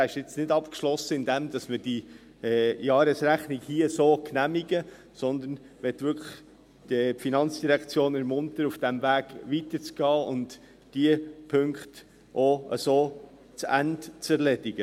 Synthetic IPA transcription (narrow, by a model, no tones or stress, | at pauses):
æɪʃɪt͡snɪdɑpkʃlɔsəɪndɛmd̥̪ɑsməd̥i | jɑːɾəsɾæχniɡhiəsoːknæmiɡə | sɔnd̪ən | ʋɛtʋʏɾkʰləχ | d̥əfinɑnt͡sd̥iɾækt͡sjoːnɛɾmʊntəɾufd̥æmvæːɡ̥ʋitət͡sɡ̥ɑːʊnt | d̥iəpʰɵŋkχt | ʔoə̰soː | t͡sæ̰ntt͡sɛɾlɛd̥ɪɡə